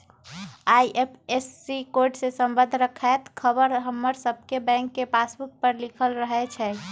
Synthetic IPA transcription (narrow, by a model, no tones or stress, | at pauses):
ajʔepʰesːikoɾɖsesəmbə̃nd̪ʱɾəkʰat̪kʰəbəɾɦəmːəɾsəb̚ʱkebɛ̃ŋkːepasbuk̚pəɾlikʰəlɾəɦɛt͡ʃʰɛ